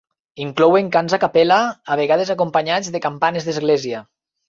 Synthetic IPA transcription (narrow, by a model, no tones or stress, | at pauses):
iŋklɔweŋkanzakapɛlaːβ̞eɣað̞ezakompaɲad͡zðekampanezðezɣlezia